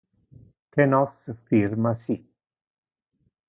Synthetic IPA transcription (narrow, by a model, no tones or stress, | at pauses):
kʰɛnɔsfiɾmasi